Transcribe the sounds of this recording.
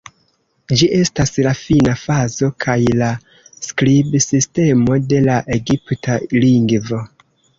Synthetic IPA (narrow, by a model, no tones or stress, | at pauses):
d͡ʒiʔe̞staslafinafazo̞kʰajla | sklibsiste̞mo̞de̞laʔe̞ɡiptaliŋɡvo̞